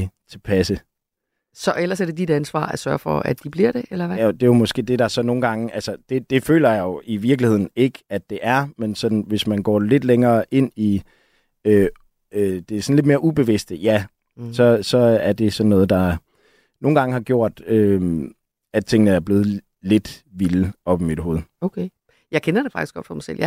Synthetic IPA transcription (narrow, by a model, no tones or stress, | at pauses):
t͡sʰe̝pʰæsə | sɒ̽ʔelɐsæɐde̝d̥id̥ænsʋɑ̰̈ːæsɶɐfɒæd̥ib̥liɐ̰ɾ̥e̝ʔelɐæod̥e̝jomɒ̽sɡ̥e̝̰ːd̥e̝d̥ɑ̈sɒ̽no̝ːn̩ɡ̥ɑ̈ŋəʔælsəd̥e̝d̥e̝fø̰ːlɐjajoiʋiɐɡ̥lihe̝ð̰ˠn̩e̝ɡ̥əæd̥̚e̝ʔæɐmensɒ̽d̥n̩ʋe̝smænɡ̥ɒ̰ːle̝d̥leŋɐːʔe̝n̰i | ø | ød̥e̝sɒ̽n̩led̥me̝ːɐʔub̥e̝ʋesd̥əjæ | sɒ̽sɒ̽æɐd̥e̝sɒ̽nːɔːð̞̩ˠd̥ɑ̈ | no̝ːn̩ɡ̥ɑ̈ŋəhɑ̈ɡ̥jo̝ɐ̰d̥øm | æ̥t͡sʰe̝ŋ̰nəæɐb̥le̝ːð̞̩ˠ | le̝d̥ʋiləɒ̽b̥imid̥ɦo̝ːð̞̩ˠokʰe | jɑ̈ɪkʰenɐd̥e̝fɑ̈ɡ̥isɡ̥ɒ̽d̥fɒ̽masḛl̰ja